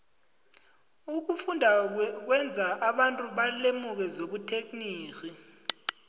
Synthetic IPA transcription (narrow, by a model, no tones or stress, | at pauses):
uk̬ufundʱak̬wɛnd͡zʱaʔaɓantʼuɓalemuk̬ɛzoɓutʰek̬ʼniːkʼi